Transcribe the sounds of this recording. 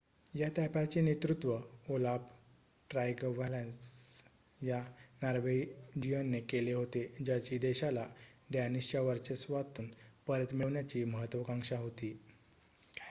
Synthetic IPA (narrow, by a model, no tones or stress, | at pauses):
jat̪apat͡ɕiːnet̪ɾut̪ʋəolap | ʈɾajɡʋalans | janaɾʋed͡ʑijənːekeleɦot̪ed͡ʑat͡ɕiːd̪eɕalaɖ̪janist͡ɕaʋəɾt͡ɕesʋat̪uːnpəɾjət̪miʋɳjat͡ɕiːməɦət̪ːʋəkãŋʂaɦot̪iː